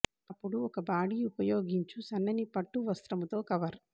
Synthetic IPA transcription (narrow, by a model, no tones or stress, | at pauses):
ɐpːuɽuɔkɐbaːɽiupɐjo̞ːɡiɲt͡ʃusɐnːɐnipɐʈːuʋɐst̪ɾɐmut̪o̞ːkɐʋɐɾ